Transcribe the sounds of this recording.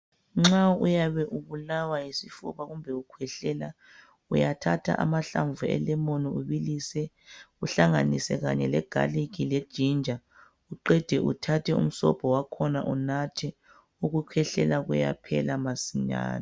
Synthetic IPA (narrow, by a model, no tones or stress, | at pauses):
ŋ͡ǁaujaβɛʔuβulawajisifṵβaɣumbʱɛukʰwɛɬɛla | ujatʰatʰa̰ʔamaɬaɱvuɛ̰lɛmoniuβilisɛ | uɬaŋanisɛɣaɲɛlɛɡ̥ʱa̰likʰilɛd̥ʒ̥ʱind͡ʒʱa | uǃɛd̥ʱɛʔutʰatʰɛṵm̩sɔ̰b̥ʰʱɔwakʰɔnaʔunatʰɛ | uɣukʰwɛɬɛlaɣuja̰pʰɛlamasiɲa̰ːna